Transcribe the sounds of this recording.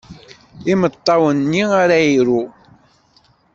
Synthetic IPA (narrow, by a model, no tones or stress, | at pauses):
imət̪ˤːɑwənːiaɾaiɾu